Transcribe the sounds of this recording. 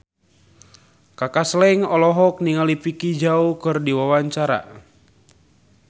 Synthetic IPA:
kakaslɛŋɔlɔɦɔk̚niŋalipikid͡ʒaukɨrdiwawaɲt͡ʃaɾa̰

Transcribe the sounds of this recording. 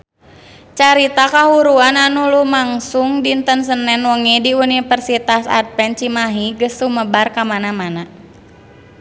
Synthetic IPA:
t͡ʃaɾit̪akaɦuɾuananulumaŋsuŋdint̪əns̬ənɛnwɔŋidiunifərsit̪asa̰t̪̚pɛnt͡ʃimaɦiɡəsuməbarkamanamana

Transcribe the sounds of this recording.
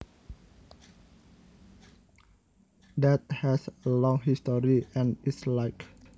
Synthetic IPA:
dɛt̪̚hɛsəlɔ̃ŋɦistɔɹiɛ̃nislaɪk

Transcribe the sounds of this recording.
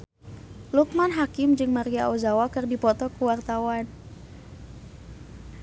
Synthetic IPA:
luk̚manɦakɪmd͡ʒɨŋmaɾiauzawakɨrdipɔt̪ɔkuwart̪awan

